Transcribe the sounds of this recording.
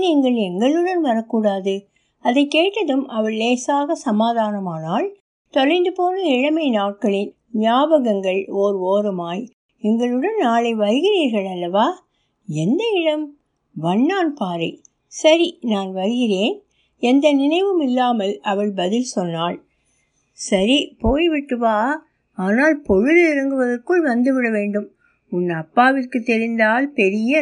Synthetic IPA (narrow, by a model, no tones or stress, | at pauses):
niːŋɡɐɭɛŋɡɐɭɯɽɐnʋɐɾɐkːuːɽaːðɯ | ɐðɐɪkeːʈːɐðɯmʔɐʋɐɭːeːsaːɣɐsɐmaːðaːnɐmaːnaːɭ | t̪ɔɻɐɪnd̪ɯpoːnɐɪɻɐmɐɪnaːʈ̚kɐɭɪn | nɪjaːbɐɣɐŋɡɐɭoːɾɯoːɾɯmaːj | ɛŋɡɐɭɯɽɐnnaːɭɐɪʋɐɾɯɣɪɾiːɾɣɐɭɐlːɐʋaː | ɛnd̪ɐɪɽɐm | ʋɐɳːaːnpaːɾɐɪ | sɐɾinaːnʋɐɾɣɪreːn | ɛnd̪ɐnɪnɐɪʋɯmɪlːaːmɐlɐʋɐɭbɐðɪlsɔnːaːɭ | sɐɾipoːjʋɪʈːɯʋaː | aːnaːlpɔɻɯðɪɾɐŋɡɯʋɐðɐrkɯɭʋɐnd̪ɯʋɪɽɐʋeːɳɖɯm | ʊnːɐpːaːʋɪrkɯt̪ːɛɾɪnd̪aːlpɛɾɪjɐ